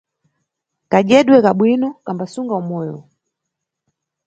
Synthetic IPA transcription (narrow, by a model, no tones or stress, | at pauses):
kaʄɛɗwɛkaɓwinɔkambasuŋɡaumɔjɔ